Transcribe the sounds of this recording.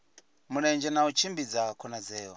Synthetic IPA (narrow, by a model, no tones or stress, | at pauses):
muɺɛnd͡ʒɛnaut͡ʃʰimbid͡zakʰɔnad͡zɛːwɔ